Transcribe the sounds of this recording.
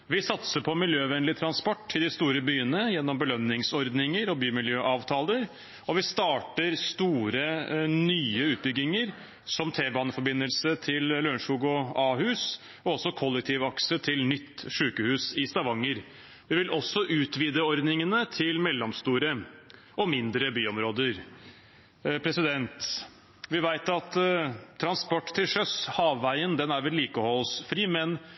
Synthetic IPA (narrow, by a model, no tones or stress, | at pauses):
ʋɪsɑt̪səpʰɔmɪljøːʋɛnlɪt̪ʰɾɑnspɔʈːɪd̪ɪst̪uːɾəbyːənəjɛnːɔmbəlœnːɪŋsɔɾd̪nɪŋəɾɔbyːmɪljøːʔɑːʋt̪ʰɑːləɾ | ɔʋɪst̪ɑːʈəɾst̪uːɾənyːəʉːt̪̚bʏɡɪŋəɾ | sɔmt̪ʰeːbɑːnəfɔɾbɪnːəlsət̪ʰɪlløɳʂuːɡɔɑːhʉːs | ɔɔsɔkʰɔlːɛk̚t̪ʰɪʋɑksət̪ʰɪlnʏt̪ːʂʉːkəhʉːsɪst̪ɑʋɑŋːəɾ | ʋɪʋɪlʔɔsːɔʔʉːt̪ʋiːd̪əɔɾd̪nɪŋənət̪ʰɪlmɛlːɔmst̪uːɾə | ʔɔmɪnd̪ɾəbyːɔmɾoːd̪əɾ | pʰɾɛsɪd̪ɛnt̪ | ʋɪʋæɪt̪ɑt̪t̪ʰːɾɑnspɔʈːt̪ʰːɪlʂœshɑːʋːæɪənd̪ɛnæɾʋɪlːiːkəɔhɔsfɾiːmɛn